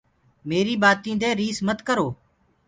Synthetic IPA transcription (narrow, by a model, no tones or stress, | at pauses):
meːɾiːbaːt̪ĩːd̪eːɾiːsmət̪kəɾoː